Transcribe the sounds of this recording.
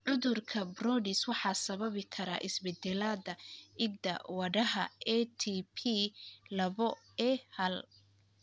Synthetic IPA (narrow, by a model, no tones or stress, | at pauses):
ʕʊðʊrkʰɐbrɔːɖɪswɑħɑːsɐβɐβɪkʰɐɾa̰ːʔɪsbɛd̪ɛlaːdɐɪd̪ɐ̰wɐɽɐɦɐɛt̪ʰipʰilɐβɔ | ɛːhɐl